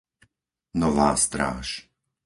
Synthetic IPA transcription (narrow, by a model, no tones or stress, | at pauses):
nɔʋa̰ːst̪ɾa̰ːʃ